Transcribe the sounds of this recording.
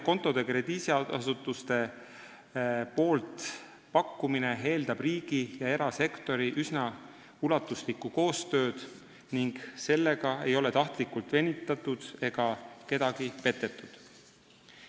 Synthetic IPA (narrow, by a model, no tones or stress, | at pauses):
ko̞nt̪ːˑo̞d̪̥e̞kre̞d̪̥iːsiɑɑsut̪ːˑust̪e̞ | po̞ːlt̪ | pɑkːˑumine̞ɦe̞ːld̪̥ɑb̥riːɡ̥ijɑe̞ɾɑse̞kt̪o̞ɾiʔysnɑ | ulɑt̪ːˑuslikːuko̞ːst̪ø̞ːd̪̥ | niŋɡ̥se̞lːe̞ɡ̥ɑe̞jo̞le̞t̪ɑht̪likult̪ve̞nʲit̪ːˑɑt̪ˑːud̪̥e̞ɡ̥ɑke̞d̪̥ɑɡ̥ipe̞t̪ːˑe̞t̪ːˑud̪̥